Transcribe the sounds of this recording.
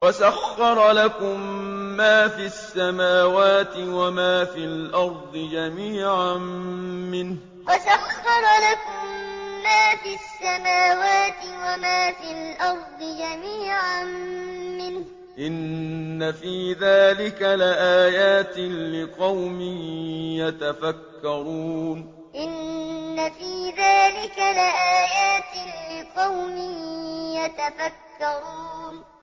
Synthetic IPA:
wasaxːɑɾˤlakʊmːaːfiasːamaːwaːt̪ɪwamaːfilʔɑɾˤd̪ˤɨd͡ʒamiːʕammɪnh | wasaxːɑɾˤlakʊmːaːfisːamaːwaːt̪ɪwamaːfiːlʔɑɾˤd̪ˤɨd͡ʒamiːʕanmɪnh | ʔɪnːafiːðaːlɪkalɪʔaːjaːt̪ɪlɪqɑwmɪjat̪afakːɑɾuːn | ʔɪnːafiːðaːlɪkalɪʔaːjaːt̪ɪlɪqɑwmɪjat̪afakːɑɾuːn

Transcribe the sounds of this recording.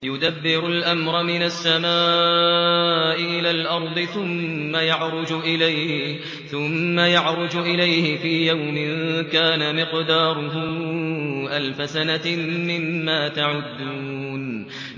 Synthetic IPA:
jʊd̪abːɪɾʊlʔamɾˤɑmɪnasːamaː | ʔɪʔɪlaːlʔɑɾˤd̪ˤɨθʊmːajaʕɾˤʊd͡ʒʊʔɪlajh | θʊmːajaʕɾˤʊd͡ʒʔɪlajhɪfiːjawmɪnkaːnamɪqd̪ɑːɾˤʊɦʊ | ʔalfasanamɪmːaːt̪aʕʊd̪ːuːn

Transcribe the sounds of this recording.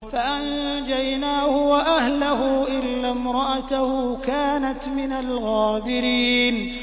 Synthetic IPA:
faʔand͡ʒajnaːhʊwaʔahlahʊʔɪlːaːmɾˤɑʔat̪ahuːkaːnat̪mɪnalɣaːbɪɾiːn

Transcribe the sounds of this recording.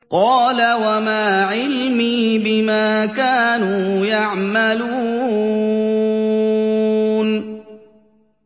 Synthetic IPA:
qɑːlawamaːʕɪlmiːbɪmaːkaːnuːjaʕmaluː | n

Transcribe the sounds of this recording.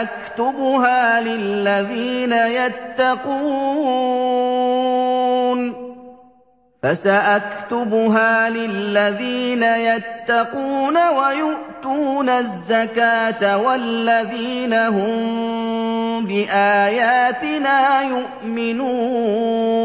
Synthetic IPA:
ʔakt̪ʊbɦaːlɪlːaðiːnajat̪ːɑquː | n | fasaʔakt̪ʊbʊɦaːlɪlːaðiːnajat̪ːɑquːnawajʊʔt̪uːnazːakaːt̪awalːaðiːnaɦʊm | bɪʔaːjaːt̪ɪnaːjʊʔmɪnuː

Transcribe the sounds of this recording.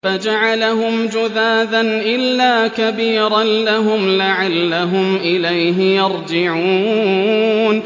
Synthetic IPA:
fad͡ʒaʕalaɦʊmd͡ʒʊðaːðanʔɪlːaːkabiːɾanlaɦʊmlaʕalːaɦʊmʔɪlajɦɪjɑɾˤd͡ʒɪʕuː | n

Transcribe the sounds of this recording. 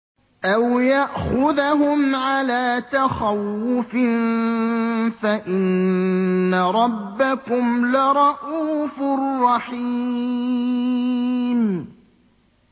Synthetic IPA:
ʔawjaʔxʊðaɦʊmʕalaːt̪axawːʊfɪn | faʔɪnː | aɾˤɑbːakʊmlɪɾˤɑʔuːfʊrːɑħi | m

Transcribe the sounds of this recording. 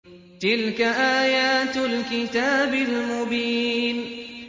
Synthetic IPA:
t̪ɪlkaʔaːjaaːt̪lkɪt̪aːbɪlmʊbiːn

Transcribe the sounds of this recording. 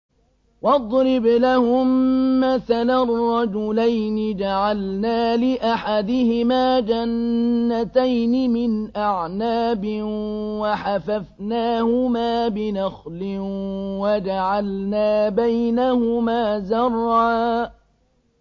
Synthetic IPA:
wɑd̪ˤɾɪblahʊmːaθalarˤrˤːɑd͡ʒʊlajnɪd͡ʒaʕalnaːlɪʔaħad̪ɪhɪmaːd͡ʒanːat̪ajnɪmɪnʔaʕnaːbɪwaħafafnaːhʊmaːbɪnaxlɪwad͡ʒaʕalnaːbajnahʊmaːzɑrˤːaː

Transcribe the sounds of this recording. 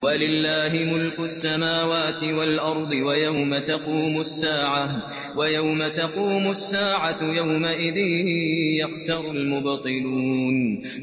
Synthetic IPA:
walɪlːaːɦɪmʊlkʊsːamaːwaːt̪ɪwalʔɑɾˤd̪ˤɪwajawmat̪aquːmʊasːaːʕa | wajawmat̪aquːmʊsːaːʕajawmaʔɪðɪhjaqsɑɾʊlmʊbt̪ˤɨluːn

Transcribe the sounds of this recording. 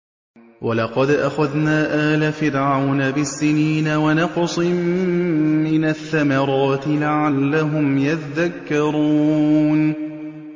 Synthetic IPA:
walɑqɑd̪ʔaxaðnaːʔaːlafɪɾʕawnabɪsːɪniːnawanɑqsˤɨmː | ɪnaθːamɑɾˤɑːt̪ɪlaʕalːaɦʊmjat̪ðakːɑɾˤuːn

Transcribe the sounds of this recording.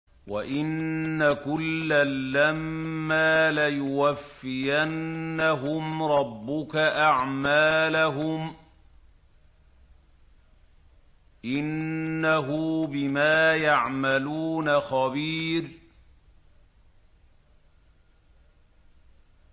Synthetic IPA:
waʔɪnːakʊlːalːamːaːlajʊwafːɪjanːaɦʊmɾˤɑbːʊkaʔaʕmaːlaɦʊm | ʔɪnːaɦʊbɪmaːjaʕmaluːnaxabiːɾ

